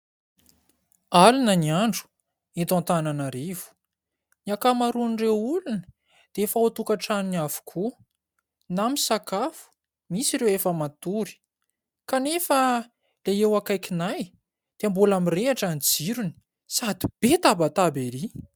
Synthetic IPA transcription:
alunəniaɳɖ͡ʐu̥ | et̪ãnt̪ananaɾiv̥u̥ | niakamaɾunrewulunə̥ | d̪̥eefaut̪ukaʈ͡ʂaniniav̥u̥kʰu | namisakafu̥ | misiɾewefəmat̪uɾi̥ | kanefə | leewakajkinaj | d̪̥eambulamireaʈ͡ʂand͡ziɾuni̥ | sad̪ib̥et̪abat̪abeli

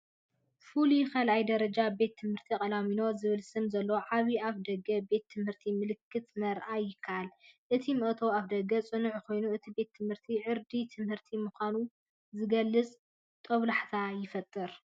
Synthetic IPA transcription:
fulukʰalajd̪ɐɾɐd͡ʒabe̞t̪ʰːɨmhɨɾt̪ʰikʼɐlamino̞zɨβɨlsɨmzɐlːɐwoʕaβiaβd̪ɐɡɐbe̞t̪ʰːɨmhɨɾt̪ʰimɨlɨkʰːɨt̪nɐɾʔajɪkʰːaʔalʔɨt̪ʰimɨʔt̪ʰoaβd̪ɐɡɐt͡sʼɨnɨʕkʰo̞jnuɨt̪ʰibe̞t̪ʰːɨmhɨɾt̪ʰiʕɨɾd̪it̪ʰɨmhɨɾt̪ʰimuxʷanu | zɨɡɐlːɨt͡sʼ | t̪ʼɐβlaħt̪ʰajɪfɐt̪ʼːɨɾ

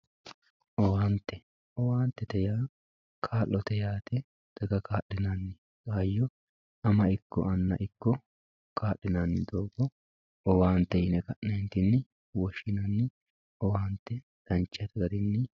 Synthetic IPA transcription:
ʔɔwaːnt̪ːɛ | ʔɔwaːnt̪ːɛt̪ɛjaː | kʰaːlːɔt̪ɛjaːt̪ɛ | d̪̥ɐɡɐkʰaːʔːɪnanːɪ | kʼaːjːɔ | ɐmɐɪkːɔ̰ʔɐnːɐ̰ʔɪkːɔ | kʰaːʔːɪnanːɪd̪oːbɔ | ɔwaːnt̪ːɛjɪnɛkɐʔneːnt̪ɪnːɪ | wɔʃɪnɐnːɪ | ɔwaːnt̪ːɛ | d̪̥ɐnt͡ʃːɐt̪ɛɡɐd̪ɪnːɪ

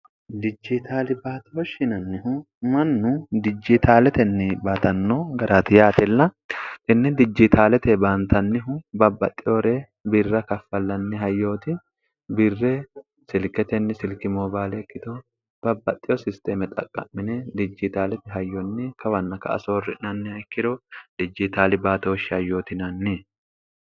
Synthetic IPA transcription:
d̪ɪd͡ʒɪt̪ʰaːlɪbaːt̪ɪjoʃɪnɐnːɪɦʊ | mɐnːʊd̪ɪd͡ʒːɪt̪ʰaːlɛt̪ɛnːɪbaːt̪ɐnːoːɡɐɾat̪ɪjaːt̪ɛlːɐʔɪnːɛd̪ɪd͡ʒːɪt̪ʰaːlɛt̪ɛbaːnt̪ɐnːɪɦʊbɐbːɐt̪ʼːɪoɾeː | bɪrːɐkɐfːɐlːɐnːɪɦɐjːo̞ːt̪ɪ | bɪrːɛ | sɪlkɛt̪ɛnːɪsɪlkɪmoːbaːlɛːkːɪt̪o | b̥ɐbːɐt̪ʼːɪjɔsɪst̪eːmɛt̪ʼɐ̰kʼːɐ̰mːɪnɛd̪ɪd͡ʒːɪt̪aːlɛt̪ɛɦɐjːɔnːɪkʰɐwɐnːɐkɐ̰ɐ̰soːrːɪnɐnːɪɐjkːɪd̪od̪ɪd͡ʒːɪt̪aːlɪbaːt̪oɔʃɐjːo̞ːt̪ɪnɐnːɪ

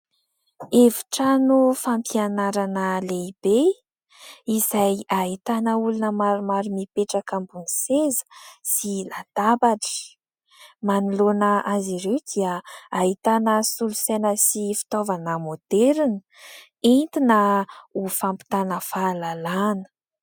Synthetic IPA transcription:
evi̥ʈ͡ʂanufampianaɾanəleib̥e | izajaɦit̪anəulunəmaɾumaɾumipeʈ͡ʂakambunisezə̥silad̪̥abaʈ͡ʂi̥ | manilonəʔaziɾewd̪iəaɦit̪anəsulusenəsifi̥t̪ovanəmod̪̥eɾinə | int̪inəufampi̥t̪anəfalalanə̥

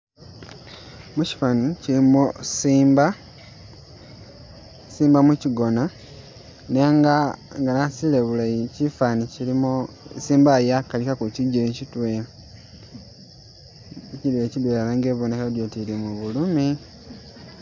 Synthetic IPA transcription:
muci̥fanicilimosimba | siːmbamuciɡo̞na | neŋɡaŋɡanasileβulajicifanicilimo | siːmbajakalikakuciɟilecitwea | citwecidwealaŋɡeːβonekadjotilimuβulumi

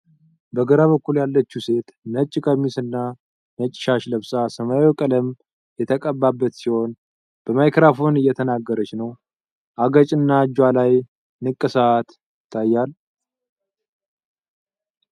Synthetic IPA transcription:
bəɡəɾaβəkːuljalːət͡ʃːuse̞t̪nət͡ʃʼːɪkʼəmːisɨnːa | mət͡ʃʼːɪ̥ʃaʃləβsʼasəmajokʼələm | jɛt̪ʰəkʼəbːabːət̪siho̞n | b̥əmajkʰɾafo̞nɨjːɛt̪ʰənaɡːəɾət͡ʃnəw | ʔaɡət͡ʃʼɨnːad͡ʒwalaj | nɨkʼːɨsəːt̪ | jɪt̪ʰːajːal

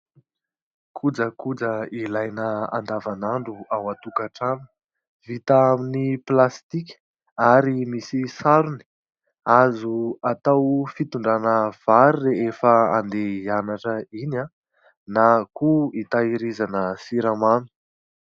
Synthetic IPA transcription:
kʰud͡zəkud͡zəilajnəa̰nd̪avanaɳɖ͡ʐuawat̪ukaʈ͡ʂan | v̥it̪aaminiplast̪ikʲ | aɾimisisaɾuni̥ | azuat̪awfit̪uɳɖ͡ʐanəv̥aɾireefəa̰nd̪eianaʈ͡ʂəina | nakuit̪aiɾizanəsiɾamanu̥

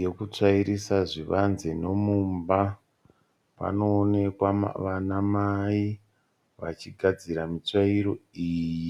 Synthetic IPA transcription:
jekut͡ʂaiɾisaʐiʋanzeno̞mumba | pa̰no̞ːne̞kwa̰ʋanamai | ʋa̰t͡ʃiɡʱad͡ziɾamit͡ʂaiɾo̞iːji

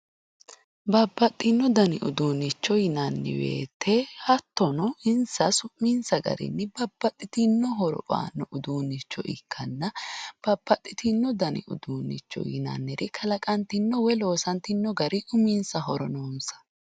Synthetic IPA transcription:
bɐbːɐt̪ʼːɪnːɔd̪ɐnɪʔʊd̪uːnɪt͡ʃːɔjɪnɐnːɪ̰wḛːt̪ʰːehɐt̪ːɔnɔɪnsɐsʊmːiːnsɐɡɐ̰ɾɪ̰nːɪbɐbːɐt̪ʼːɪt̪ɪnːɔɦɔɾɔ̰bʼa̰ːnːɔʔʊd̪uːnːɪt͡ʃːɔʔɪ̰kʰːɐnːɐb̥ɐb̥ːɐt̪ʼːɪt̪ɪnːɔd̪ɐnɪ̰ʊ̰d̪uːnɪ̰t͡ʃːɔ̰jɪ̰nɐ̰nːɛɾɪkʰɐlɐkʼɐnt̪ɪnːɔwɛlo̞ːsɐnt̪ɪnːɔɡɐɾɪʔʊmiːnsɐɦɔɾɔnoːnsɐ̥

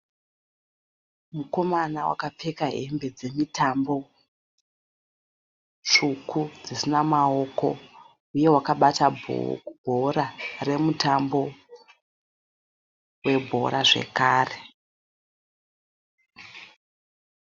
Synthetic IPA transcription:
muko̞manawa̰kap͡fe̞kaɦembe̞d͡ze̞mitambo̞ | t͡ʂukʰud͡zisinamao̞ko̞̰ | uje̞wakaɓata̰ | b̥ʱoɾare̞mutambo̞ | we̞bʱo̞̰ɾaʐe̞̰kaːre

